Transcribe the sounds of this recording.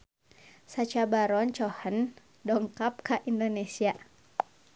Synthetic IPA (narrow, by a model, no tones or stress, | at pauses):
sat͡ʃabaɾɔnt͡ʃɔhən | dɔŋkap̚kaʔindonesia